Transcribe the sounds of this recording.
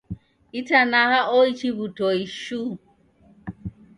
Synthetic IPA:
itanaɦaʔoit͡ʃibutoiʃu

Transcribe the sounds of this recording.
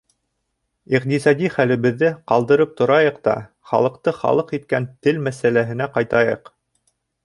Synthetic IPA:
iqt̪isɑd̪ʲiχælɘ̆βɘ̆ðːɘqɑlˠd̪ɤ̆ɾɤp̚t̪ŏɾɑjɤqt̪ɑ̰ | χɑ̰lˠɤ̆qt̪ɤχɑ̰lˠɤqit̪̚kænt̪ɘlmæsælæɦɘ̆næqɑjt̪ɑjɤ̰q

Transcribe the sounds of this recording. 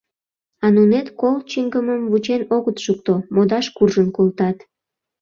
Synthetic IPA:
ɑnunet̪kolt͡ɕiŋɡəməmvut͡ɕenoɣət̪ʃuk̚t̪omod̪ɑʃkurʒənkolt̪ɑt̪

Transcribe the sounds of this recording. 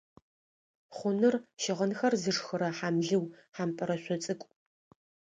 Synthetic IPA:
χʷʊnɨrʃɪʁənxɐrzɨʂxɨɾɐħaːmɮɨwħaːmpʼɐɾɐɕʷɔt͡sʼɨkʷʼ

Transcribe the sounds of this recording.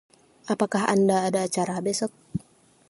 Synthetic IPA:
apakaɦa̰ndaːdaːt͡ʃaɾabɛsɔk̚

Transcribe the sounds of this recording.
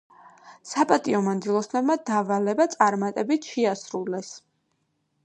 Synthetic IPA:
sapʼat̪ʼiɔmand̪zilˠɔsnɔbmad̪avalɛbat̪sʼaɾmat̪ʼɛbit̪ʰʃɛasɾulɛs

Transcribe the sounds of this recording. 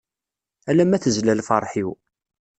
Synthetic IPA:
ælæmæθəzlælfɑ̰ɾˤħiw

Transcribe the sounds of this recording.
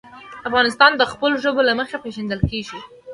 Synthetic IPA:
afɣɑnɪst̪ɑnd̪əxpəloʒəbolaməxepeʒand̪əlkeʒi

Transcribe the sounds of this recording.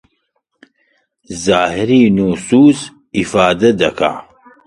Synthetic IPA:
zaːhɪɾiːnuːsuːz | ifaːd̪ɐd̪ɐkʰa̰ː

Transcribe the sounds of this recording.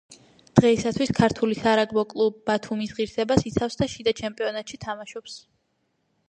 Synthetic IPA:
d̪̥ʁɛisat̪ʰwiskʰaɾt̪ʰulisaɾaɡbɔkʼlˠubbat̪ʰumisʁiɾsɛbasit̪sʰafsd̪aʃid̪at͡ʃʰɛmpʼiɔnat̪ʃit̪ʰamaʃɔps

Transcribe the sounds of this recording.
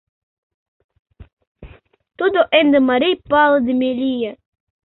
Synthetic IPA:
t̪ud̪oʔend̪əmaɾijpalˠəd̪ɪmelijɐ

